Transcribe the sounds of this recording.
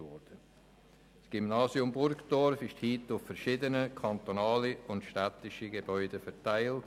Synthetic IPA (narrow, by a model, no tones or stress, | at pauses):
ɔɾd̥ə | sɡ̥imnɑːsiʊmbʊɾkd̥ɔɾfɪʃthiːtʊffɛɾʃɪdənəkʰɑnt̪onɑːliʊntʃtæt̪ɪʃiɡebœʏdəfɛɾtaɪlt